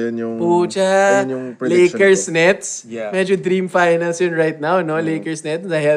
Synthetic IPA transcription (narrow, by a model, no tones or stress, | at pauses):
put͡ʃa | leːkəɾsnɛt̪smɛd͡ʒudɾiːmfaɪnalsjʊnɾaɪt̪̚nawnoleːkəɾsnɛtsaɦa